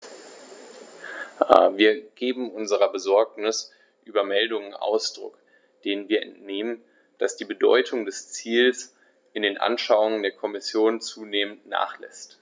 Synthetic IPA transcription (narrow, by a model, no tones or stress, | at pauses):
a̰viːɐɡ̥eːbm̩ʔʊnzəʁɐbəzɔɐknɪs | ʔyːbɐmɛldʊŋənʔa̰ʊsd̥ʁʊ̰k | d̥eːnənviːɐɛ̰ntneːmən | d̥asd̥iːbədɔ̰ʏtʰʊŋdɛst͡siːls | ʔɪndeːnʔa̰nʃaʊʊŋəndeːɐkʰɔmɪsjoːnt͡suːneːməntna̰ːχlɛ̰st